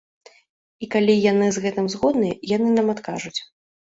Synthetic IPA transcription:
ikalʲijanɨzɣɛt̪ɨmzɣɔd̪nɨɛjanɨnamat̪ka̰ʐut͡sʲ

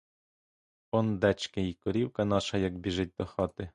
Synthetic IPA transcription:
ɔnd̪ɛt͡ʃkɪikɔɾʲiwkɐnɑʃɐjɐkbʲiʒɪt̚ʲd̪ɔxɑt̪ɪ

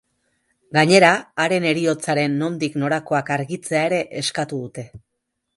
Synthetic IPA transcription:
ɡaɲe̞ɾaːɾe̞ne̞ɾio̞t͡saɾe̞nːo̞nd̪ikno̞ɾako̞akaɾɣit͡se̞ae̞ɾe̞ʔeskat̪uðut̪e̞

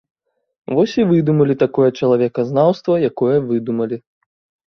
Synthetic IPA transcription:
vɔsʲivɨd̪umɐlʲit̪akɔjɐt͡ʂɐlˠavʲɛkɐznawst̪vɐjakɔjɐvɨd̪umɐlʲi

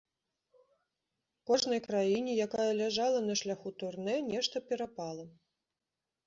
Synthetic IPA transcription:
kɔʐnɐjkɾajinʲɛjakajɐlʲaʐalˠɐnɐʂlʲaxut̪urnɛnʲɛʂt̪ɐpʲɛɾapalˠɐ

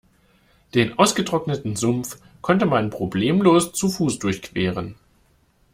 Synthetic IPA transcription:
d̥eːnʔaʊsɡ̥ətʁ̥ɔknətn̩zʊmf | kʰɔntəmanpʁ̥obleːmloːst͡sufuːsd̥ʊɐçkv̥eːʁ̞ən

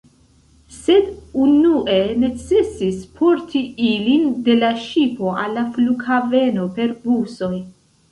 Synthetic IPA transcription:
se̞dunuʔe̞ne̞t͡se̞sispʰo̞ɾtʰiilinde̞laʃipo̞ʔalːafluɡhave̞no̞pe̞ɾbuso̞j

